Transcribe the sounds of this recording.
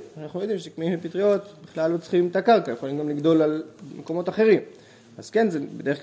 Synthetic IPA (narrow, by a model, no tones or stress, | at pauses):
naχnujod̪imʃekmeimlepit̪ʁio̞t̪biχlalːot͡sχimtakaʁkajeχolimɡamliɡdo̞lalmeko̞mo̞t̪aχe̞ʁim | azke̞nzebed̪e̞e